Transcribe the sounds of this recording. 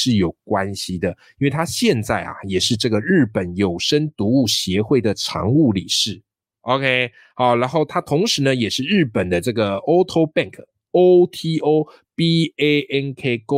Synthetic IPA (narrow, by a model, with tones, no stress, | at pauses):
ʂɻ̩˥˩jo˨˩ʊkwa˦nɕi˨d̪ə˨i˥nwe˥˩ɪt̪ʰa˥ɕjɛ˥˧nt͡sa˥˩ɪa̰˩jɛ˨˩ʂɻ̩˥˧ʈ͡ʂɤ˥˩ɡə˩ɻɻ̩˥˩pə˨˦njo˨˩ʊʂə˥nt̪u˧˥u˥˩ɕjɛ˧˥xwe˥˩ɪd̪ə˩ʈ͡ʂʰɑ̰˧˥ŋu˥˩li˨˩ʂɻ̩˥˩ | o˨˧kʰe˥ɪ | xɑ˨˧˦ʊɻa˧˥nxo˥˩ʊt̪ʰa˥t̪ʰʊ˧˥ŋʂɻ̩˧˥nə˧jɛ˨˩ʂɻ̩˥˧ɻɻ̩˥˩pə˨˩nd̪ə˦ʈ͡ʂɤ˥˩ɡə˩o˥ʊt̪ʰo˥ʊpa˥˨ŋkʰ | o˥ʊt̪ʰi˥o˥ʊ | pi˥e˥ʔɛ˥nkʰe˥˩ko˥